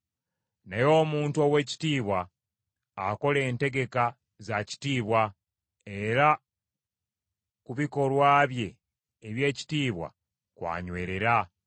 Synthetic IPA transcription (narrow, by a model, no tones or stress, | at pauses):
najo̞ːmuːntuo̞we̞ci̥tiːβwaː | ko̞le̞ːnte̞ɡe̞ka | zaci̥tiːβwa | eɾa | kuβiko̞lwaːβje̞ː | βje̞ːci̥tiːβwa̰ | kwa̰ːɲwe̞ːɾe̞ɾa